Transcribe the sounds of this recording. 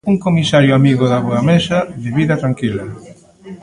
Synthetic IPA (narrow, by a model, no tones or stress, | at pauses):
uŋkomisaɾjʊamiɣʊðaβoɐmesɐðɪβiðɐt̪ɾaŋkilɐ